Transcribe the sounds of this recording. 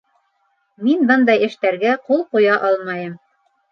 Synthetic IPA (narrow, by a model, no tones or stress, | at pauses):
minbɤnd̪ɑjɘ̆ʃt̪æɾɡæqulˠqujɑʔɑlˠmɑjɤm